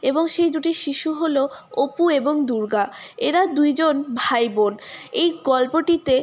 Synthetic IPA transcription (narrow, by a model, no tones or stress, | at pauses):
eboŋʃejd̪uʈiʃiʃuɦoloopueboŋd̪uɾɡaeɾad̪ujd͡ʑonbʱajbonejɡɔlpoʈit̪e